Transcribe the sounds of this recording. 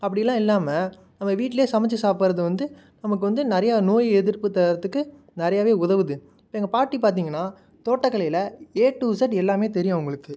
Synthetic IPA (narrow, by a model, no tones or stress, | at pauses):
ɐpːɐɽɪjɐlːãːɪlːaːmɐ | nɐmːɐʋiːʈːɪleːsɐmɛt͡ʃːɐsaːpɯɾɐðɯʋɐnd̪ɯ | nɐmɐk̬ːɯʋɐnd̪ɯnɪɾɐjaːnoːjɛðɪɾpːɯt̪ːɐɾɐt̪ːɯkːɯ | nɪɾɐjaːʋeːʊðɐʋɯðɯ | ɪpːoːɛŋɡɐpaːʈːipaːɾt̪̬iːŋɡɐnːaː | t̪oːʈːɐkːɐɭɐjɪlɐeːʈːuːsɐʈɛlːaːmeːt̪ɛɾɪjʊ̃ʊŋɡɐɭɯkːɯ